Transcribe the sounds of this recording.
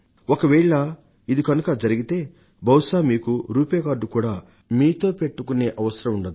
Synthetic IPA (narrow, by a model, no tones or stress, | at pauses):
okɐʋɛːɭɐ | id̪ikɐnukɐd͡ʒɐɾiɡit̪e̞ː | bʱɐwʂaːmiːkuɾuːpeːkaːɾɖukuːɽaː | miːt̪o̞ːpe̞ʈːukune̞ːʔɐʋɐsɐɾɐmuɳɖɐd̪i